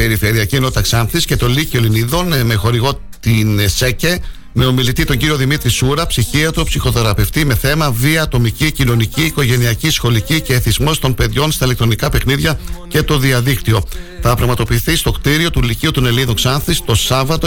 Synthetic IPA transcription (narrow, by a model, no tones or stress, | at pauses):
pe̞ɾife̞ɾiɐcienoit̪ɐksɐnθisce̞t̪o̞licio̞liniðo̞nme̞xo̞ɾiɣo̞ | t̪insece | me̞omilit̪it̪o̞ɲɟiɾio̞ðimit̪ɾisuɾɐpsiçiɐt̪opsixo̞θe̞ɾɐpe̞ft̪ime̞θe̞mɐviɐːt̪o̞micicino̞niciːko̞ʝe̞niɐcisxo̞licice̞θizmo̞st̪o̞npe̞ðʝo̞nst̪ɐilek̚t̪ɾo̞nikɐpe̞xniðʝɐce̞t̪o̞ðiɐðikt̪io̞θɐpɾɐɣmɐt̪o̞piːθist̪o̞kt̪iɾio̞t̪uliciut̪one̞liðoksɐnθist̪o̞sɐvɐt̪o